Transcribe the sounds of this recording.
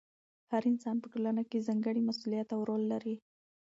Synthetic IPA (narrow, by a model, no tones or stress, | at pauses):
haɾinsɑnpəʈolanakezɑŋɡəɽimasulijat̪awɾolːaɾi